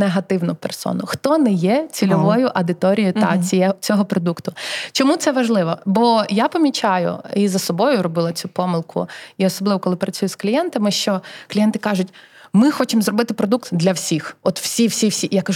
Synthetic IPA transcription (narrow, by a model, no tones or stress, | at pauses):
neɦɐt̪ɪwnʊpɛrsɔ̰nʊxt̪ɔnɛjɛt͡sʲilʲɔʋɔjʊʔɐd̪ɪt̪ɔɾʲijit̪ɐt͡sʲiɛɔt͡sʲɔɦɔpɾɔd̪ukt̪ʊt͡ʃɔmut̪sɛʋɐʒlˠɪʋɔbɔjapɐmʲit͡ʃɑjʊ̰izɐsɔbɔjʊɾɔbɪlˠɐt͡sʲupɔmɪlˠkʰʊ̰iɔsɔblˠɪʋɔkɔlˠɪpɾɐt͡sʲujʊsklʲijɛnt̪ɐmɪʃt͡ʃɔklʲijɛnt̪ɪkɑʒʊtʲmɪxɔt͡ʃɪmzrɔbɪt̪ɪpɾɔd̪uk̚t̪d̪lʲɐwsʲixɔt̪w̥sʲiwsʲiwsʲijakɐʒ